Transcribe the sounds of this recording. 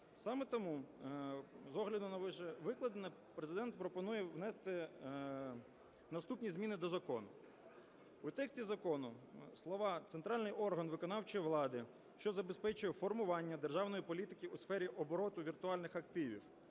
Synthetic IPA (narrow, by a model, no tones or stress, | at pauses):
sɑmɛt̪ɔmu | zɔɦlʲɐd̪ʊnɐʋɪʃɛʋɪklˠɐd̪ɪnɐpɾezɪd̪ɛnt̪pɾɔpɔnujɛʋnɛst̪ɪ | nɐst̪upnʲizmʲinɪd̪ɔzɐkɔnʊ | ut̪ɛksʲtʲizɐkɔnʊslˠɔʋɑt̪sent̪ɾɑlʲnɪjʔɔrɦɐnʋɪkɔnɑwt͡ʃɔjiʋlˠɑd̪ɪ | ʃt͡ʃɔzɐbespɛt͡ʃʊjɛfɔrmʊʋɑnʲːɐd̪erʒɑwnɔjipɔlʲit̪ɪkʲiusfɛɾʲiʔɔbɔɾɔt̪ʊʋʲirt̪ʊɑlʲnɪxɐkt̪ɪʋʲḭw